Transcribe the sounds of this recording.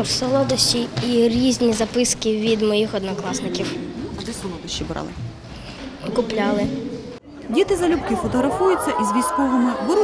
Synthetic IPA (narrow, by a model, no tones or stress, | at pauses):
wsɔlˠɔd̪ɐʃt͡ʃʲiiɾʲizʲnʲizɐpɪskiʋʲid̪mɔjixɔd̪nɔklˠɑsnɪkʲiwd̪ɛsɔlˠɔd̪ɐʃt͡ʃːibɾɑ̰lˠɪ | ɔkʊplʲɑlˠɪ | dʲit̪ɪzɐlʲupkɪfɔt̪ɔɦɾɐfujʊt͡sʲːɐʔizʋʲijsʲkɔʋɔmɪbʊɾu